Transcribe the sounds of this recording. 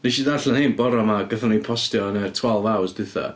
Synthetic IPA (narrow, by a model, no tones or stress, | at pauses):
niʃidarɬanhenbɔɾɔmaɡəθənipʰɔstjɔnərtʰwalˠvawsdɨθa̰